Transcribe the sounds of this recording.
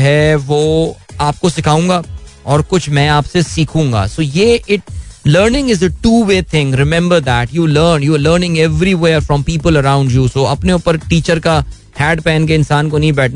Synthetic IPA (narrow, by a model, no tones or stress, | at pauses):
ɦɛʋoːaːp̚kosɪkʰaːũːŋɡaːɔːɾkʊt͡ʃʰmɛ̃aːpsesiːkʰũːŋɡa̰ːsoːjeːʔɪʈ̚ləːɾnɪ̃ŋɪzəʈuːʋeːt̪ʰɪ̃ŋɾɪmɛ̃mbəɾd̪æːʈjuːləːɾnjuɾləːɾnɪ̃ŋɛʋɾiʋeːɾfɾɔ̃mpiːpəlɐɾãʊ̃ɳɖjuːsoːɐpneʊpəɾʈiːt͡ʃəɾka | hɛːɖpɛ̃ːnk̬eɪ̃nsaːnkonɐɦĩbɛːʈʰna